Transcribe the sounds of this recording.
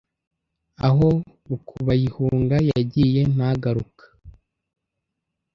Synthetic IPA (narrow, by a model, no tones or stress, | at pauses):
aɦo̞ | βukʰuβajihuŋɡajaɟiːje̞n̥aɡaɾukḁ